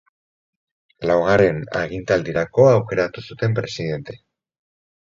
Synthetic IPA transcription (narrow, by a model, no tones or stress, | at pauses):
lawɣ̞aɾe̞na̰ɣ̞int̪ald̪iɾako̞aːwke̞ɾat̪usut̪e̞mpɾe̞sið̞e̞nt̪e̞̥